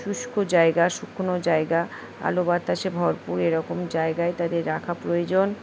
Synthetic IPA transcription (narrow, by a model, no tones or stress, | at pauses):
ʃuʃkʰod͡ʑaeɡaʃukʰːonod͡ʑaeɡa | a̰lobat̪aʃebʱɔɾpuɾeɾɔkomd͡ʑaeɡaet̪ad̪eɾːakʰapɾojod͡ʑon